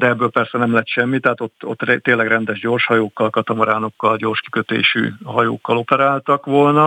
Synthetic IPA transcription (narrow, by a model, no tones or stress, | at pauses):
d̪ɛɛbːøːlpɛrsɛnɛmlɛt̪ʃɛmːit̪ɛɦat̪o̞t̪ːo̰t̪ːrɛt̪ːeːnlɛɡrɛnd̪ɛʒɟo̞ːrʃhɒjoːkːɒlkɒt̪ɒmɒɾaːno̞kːɒlɟo̞ːrʃki̥køt̪ḛːʃy̰ːɦɒjo̰ːkːɒlo̞pɛɾaːlt̪ɒkʋo̞lnɒ